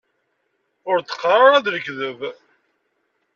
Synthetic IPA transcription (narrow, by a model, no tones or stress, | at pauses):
ʊɾt̪ə̥qːrˤaɾˤæðɾəkːðəv